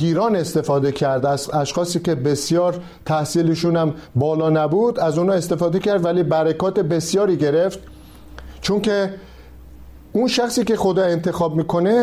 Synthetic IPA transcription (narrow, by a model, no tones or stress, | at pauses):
ɡiːɾɒːne̞st̪e̞fɒːd̪e̞cʰæɾd̪æzæʃxɒːsiːce̞be̞sijɒːɾ | t̪ʰæhsiːliʃunæmbɒːlɒːnæbuːd̪æzuːnɒːe̞st̪e̞fɒːd̪ecʰæɾd̪væliːbæɾekɒːt̪e̞be̞sjɒːɾiːɟe̞ɾe̞ft̪̚ | t͡ʃʰoŋcʰe | unʃæxsiːce̞xo̞d̪ɒːe̞nt̪ʰe̞xɒːbmiːkʰo̞ne̞